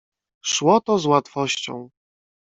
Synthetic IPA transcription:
ʂwɔt̪ɔzwat̪fɔɕt͡ɕɔ̰̃w̃

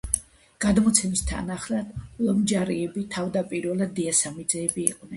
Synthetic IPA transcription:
ɡ̥ad̪mɔt̪sʰɛmst̪ʰa̰naχlad̪̥lɔmd͡ʒaɾiɛbit̪ʰavd̪apʼiɾvɛlˠad̪iasamid̪zɛːbiːqʼnɛn

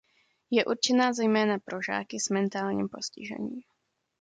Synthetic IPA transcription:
jɛʔuɾt͡ʃɛnaːzɛjmɛːnapɾo̞ʒa̰ːkɪsmɛnt̪aːlɲḭːmpo̞scɪ̰ʒɛ̰ɲiːm

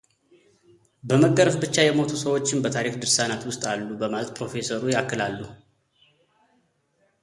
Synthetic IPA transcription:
bəməɡːəɾəfbɨt͡ʃːajɛmo̞t̪ʰusəwo̞t͡ʃːɪnbət̪ʰaɾikd̪ɨɾsanat̪wʊst̪ʼalːubəmalət̪pʰɾo̞fe̞səɾujakːɨlalːu

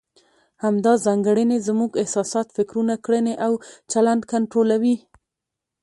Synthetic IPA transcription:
hamd̪ɑzɑŋɡəɽənezmuɡɪhsɑsɑt̪fɪkɾunakɽəneʔawt͡ʃaland̪kaɳʈɾolawi

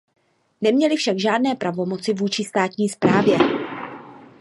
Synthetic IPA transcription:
nɛmɲɛlɪfʃaɡʒaːdnɛːpɾavo̞mo̞t͡sɪvuːt͡ʃɪst̪aːt̪ɲiːspɾaːvjɛ

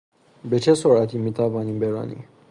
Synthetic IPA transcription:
be̞t͡ʃʰesoɾæt̪ʰiːmiːt̪ʰævɒːniːmbeɾɑ̰ːnḭ

